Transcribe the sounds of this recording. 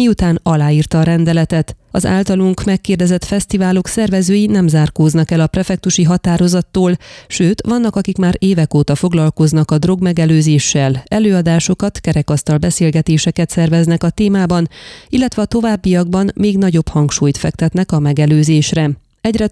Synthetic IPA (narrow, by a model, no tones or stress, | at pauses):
miut̪aːnɒlaːiːrt̪ɒːɾɛnd̪ɛlɛt̪ɛt̪ɒza̰ːlt̪ɒluŋkmɛkːeːrd̪ɛzɛt̪fɛst̪ivaːlo̞ksɛrvɛzøːjinɛmzaːrkoːznɒkɛlɒprɛfɛk̚t̪uʃiɦɒt̪aːɾo̞zɒt̪ːoːlʃøːt̪ʋɒnːɒkɒkikmaːɾeːvɛkoːt̪ɒfo̞ɡlɒlko̞znɒkɒd̪ro̞ɡmɛɡɛløːzeːʃːɛlɛløːɒd̪aːʃo̞kɒt̪kɛɾɛkɒst̪ɒlbɛseːlɡɛt̪eːʃɛkɛt̪sɛrvɛznɛkɒt̪eːmaːbɒnilːɛt̪ʋɛɒt̪o̞vaːbːijɒɡ̚bɒnmeːɡnɒɟo̞phɒŋkʃuːjt̪fɛkt̪ɛt̪nɛkɒmɛɡɛløːzeːʃrɛ | ɛɟrɛ